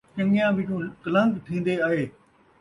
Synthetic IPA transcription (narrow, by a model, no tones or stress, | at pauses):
t͡ʃɐ̃ŋijãʋɪʈũkɐlə̃ŋɡt̪ʰĩːn̆d̪eaːɦeː